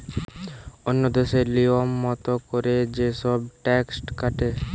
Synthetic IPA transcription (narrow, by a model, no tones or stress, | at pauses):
onːod̪eʃeliomːɔt̪okoɾed͡ʑeʃɔbʈɛksʈkaʈe